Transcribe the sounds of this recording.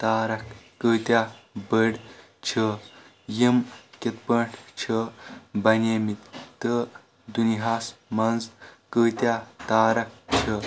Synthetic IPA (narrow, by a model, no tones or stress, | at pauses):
t̪aːɾɐkː | əːt̪ʲjabəɽ | t͡ʃʰə | jimket̪pəɳʈʰt͡ɕʰəbɐneːmit̪t̪ə | d̪unɦaːsmɐnzkəːt̪jat̪aːɾɐk̚t͡ɕʰə